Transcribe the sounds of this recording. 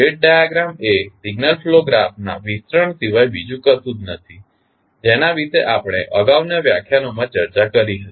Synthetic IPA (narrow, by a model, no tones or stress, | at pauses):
eʈ̚ɖajaɡɾamesiɡnəlfloɡɾafna̰ʋist̪ɾəɳsiʋajbid͡ʒũkəsud̪nət̪ʰi | d͡ʒenaʋit̪eʔapɽ̃ḛʔəɡaʋnəʋja̰kʰjanomãt͡ʃəɾt͡ʃakəɾiɦət̪i̥